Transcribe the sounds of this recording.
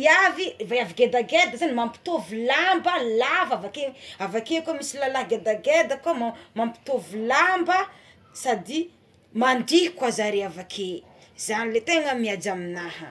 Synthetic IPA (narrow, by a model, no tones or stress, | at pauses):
iavivajaviɡed̪aɡed̪əzanimampi̥t̪ovilambəlavavakeavakekumisilalaɦɡed̪aɡed̪akamamampi̥t̪ovilambə | sad̪i | maɳdikwazaɾeavakʰe | zanilet̪eŋəmiad͡ʒaminahə